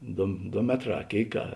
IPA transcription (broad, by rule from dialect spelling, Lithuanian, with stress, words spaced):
ˈdoː ˈdoː ˈmʲæːtˌrɑː ɐ ˈkʲeːɪk ɐ